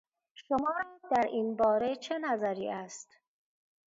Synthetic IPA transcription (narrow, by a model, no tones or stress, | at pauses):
ʃomɒːɾɒːd̪æɾʔiːnbɒːɾe̞t͡ʃʰe̞næzæɾiːʔæst̪